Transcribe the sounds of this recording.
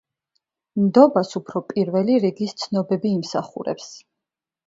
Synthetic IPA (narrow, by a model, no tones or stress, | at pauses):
md̪ɔbasupʰɾɔpʼiɾvɛliɾiɡist̪sʰnɔbɛbiːmsaχṵɾɛ̰ps